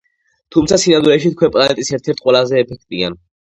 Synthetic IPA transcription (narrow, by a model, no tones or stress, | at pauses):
t̪ʰumt̪sʰasinand̪uɾɛʃit̪̚kʰwɛpʼlˠanɛt̪ʼisɛɾt̪ʰɛɾt̪̚ʰqʼwɛlazɛːpʰɛk̚ʰt̪ʼia̰n